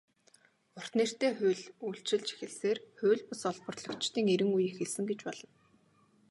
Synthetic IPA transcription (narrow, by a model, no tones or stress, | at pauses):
ʊr̥t̪niːr̥t̪eːχʊːɮujɬt͡ɕɪ̆ɮt͡ɕe̥xɘ̆ɮseːrxʊːɮpʊsɔɮpə̆rtɮɞ̆kt͡ɕt̪iːŋeɾɘ̆ŋujexɘ̆ɮsɘ̆ŋɡet͡ɕpɔɮɞ̆n